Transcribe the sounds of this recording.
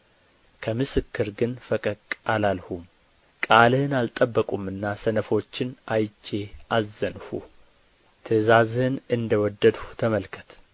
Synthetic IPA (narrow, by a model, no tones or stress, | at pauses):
kʰəmɨsɨkːɨɾɡɨnfəkʼəkʼalalhum | kʼalhɨnalt̪ʼəbːəkʼumɨnːasənəfo̞t͡ʃːɪnʔajt͡ʃːe̞ʔazːənhṵ | t̪ʰəzazhɨnɨnd̪əwɔd̪ːəd̪hut̪ʰəməlkʰət̪ʰ